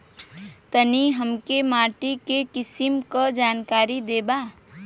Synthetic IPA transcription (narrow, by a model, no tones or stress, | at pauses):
t̪əniɦəmkemaːʈikekɪsimkəd͡ʒaːnkaːɾid̪eːba